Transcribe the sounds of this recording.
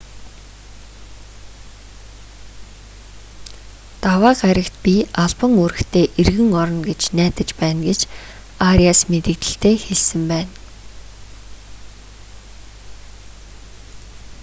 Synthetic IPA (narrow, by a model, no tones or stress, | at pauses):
t̪awaːqaɾʲə̆kt̪̚pʲiaɮpə̆ŋuɾɘ̆xt̪ʰeːʔerɣɘ̆ŋɔɾɞ̆nɡet͡ɕnæːt̪ə̆t͡ɕpæːnɡet͡ɕ | aɾiasmet̪ɘ̆kt̪ɘ̆ɬt̪ʰeːxeɮsɘ̆mpæːn